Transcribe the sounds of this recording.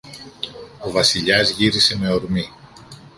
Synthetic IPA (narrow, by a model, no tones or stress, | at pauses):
o̞vɐsiʎɐzʝiɾise̞me̞o̞ɾmi